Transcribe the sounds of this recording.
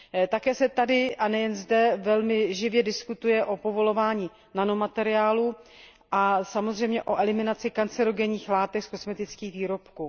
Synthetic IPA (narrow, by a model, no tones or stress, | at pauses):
t̪akɛːsɛt̪adɪʔanɛjɛnzdɛvɛlmɪʒɪvjɛdɪskut̪ujɛʔo̞po̞vo̞lo̞vaːɲi | nano̞mat̪ɛɾɪaːlu | ʔasamozrɛjmɲɛʔo̞ʔɛlɪmɪnat͡sɪkant͡sɛɾo̞ɡɛɲiːxlaːt̪ɛksko̞smɛt̪ɪt͡skiːxviːɾo̞pkuː